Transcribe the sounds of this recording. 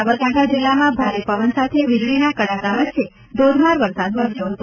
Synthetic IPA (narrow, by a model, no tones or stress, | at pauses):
abəɾkãʈʰad͡ʒilːamãbʱaɾepəʋənsat̪ʰeʋid͡ʒʋinakəɽakaʋət̪ːʃʰe | d̪ʱod̪ʱmaɾʋəɾsad̪ʋəɾəsjoɦət̪o